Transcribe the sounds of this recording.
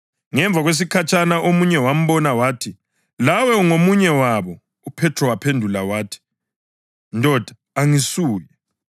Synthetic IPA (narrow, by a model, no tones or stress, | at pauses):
ŋɛɱb̪vʱaɣwes̬ikʰat͡ʃʰʼanaʔomuɲɛwam̩βɔnawaːtʰi | lawɛuŋomuɲɛwaβɔ | upʰɛtʰrɔwapʰendʱulawaːtʰi̥ | ndʱʼɔd̥ʱḁ | aŋisuːji